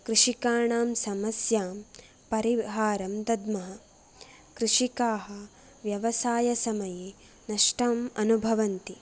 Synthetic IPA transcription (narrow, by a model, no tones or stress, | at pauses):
kɾuʂikaːɳaːmsɐmɐsjaːm | pɐɾiɦaːɾɐmd̪ɐd̪mɐɦɐ | kɾuʂikaːɦɐ | ʋjɐʋɐsaːjɐsɐmɐjeː | nɐʂʈɐːmɐnubʱɐʋɐnt̪i